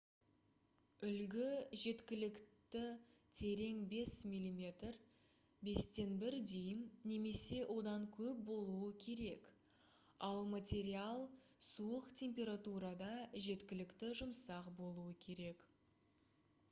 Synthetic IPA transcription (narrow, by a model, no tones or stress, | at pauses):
ʏlɡʲɪʒe̞t̪kʲɪlɪkt̪ɪt̪ʰe̞ɾe̞ŋbe̞smʲilʲimʲe̞t̪r | be̞st̪e̞nbɪɾd̪e̞jɪnne̞me̞se̞wʔo̞d̪ɑŋkʲʰɵp̚bo̞lˠuəkʲʰe̞ɾe̞k | ɑlˠmat̪ʲe̞ɾialˠsuəqt̪ʲʰe̞mpʲe̞ɾat̪uɾɑd̪ɑʒe̞t̪kʲɪlɪkt̪ɪʒʊmsɑqbo̞lˠuəkʲʰe̞ɾe̞k